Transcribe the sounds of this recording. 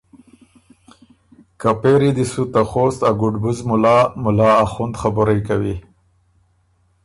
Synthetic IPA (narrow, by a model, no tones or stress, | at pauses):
kapeɾid̪isut̪axost̪aɡʊɖbuzmʊlɑmʊlɑːxund̪xabʊɾajkawi